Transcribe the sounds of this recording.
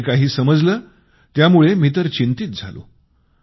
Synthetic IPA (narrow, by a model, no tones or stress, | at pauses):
kaɦiːsəməd͡zləː | t̪jamuɭemit̪əɾt͡ɕint̪it̪̚d͡zʱalo̰